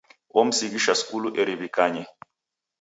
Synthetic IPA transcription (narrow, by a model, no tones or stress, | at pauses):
wom̩sikiʃasi̥kuluʔeɾiβikʼaːɲɛ